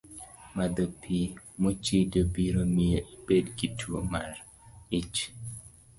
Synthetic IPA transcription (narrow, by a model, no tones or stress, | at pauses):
mad̪opʰimot͡ʃidobiɾomieibedɡitʰuomar | ɪt͡ʃ